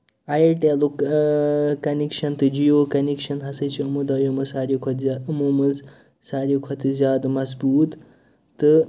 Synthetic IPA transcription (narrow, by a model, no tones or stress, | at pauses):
ɐjɐʈelu | kɐnekʃɐnt̪ɨd͡ʒijoːkɐnekʃɐnɦɐsɨt͡ʃʰiɨmud̪ɐːjomɨsaːɾjikʰɐt̪ːɨmumɨz | saːɾjikʰɐt̪ɨzjaːd̪mɐzbuːt̪ | t̪ːɨ